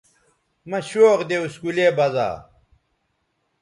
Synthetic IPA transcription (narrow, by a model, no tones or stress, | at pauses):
mɐɕoːqd̪euskuleːbɐza̰ː